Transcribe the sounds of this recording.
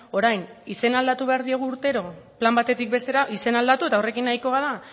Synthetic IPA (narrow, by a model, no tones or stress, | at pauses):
o̞ɾajnise̞nald̪at̪uβe̞aɾðieɣ̞uːɾt̪e̞ɾo̞plambat̪e̞t̪ik̚be̞st̪eɾaʔise̞nald̪at̪ue̞t̪aore̞kinːajko̞ɣaða